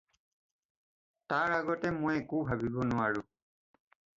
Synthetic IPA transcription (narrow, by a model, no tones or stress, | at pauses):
taɹaɡɔtɛmojekubʱabibɔnʊaɹʊ̃